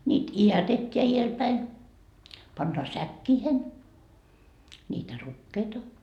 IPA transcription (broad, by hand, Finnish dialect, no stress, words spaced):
nʲiːt iætetʲːeæ ielpæin pɑnːɑː sækːiːhen nʲiːtæ rukːeitɑ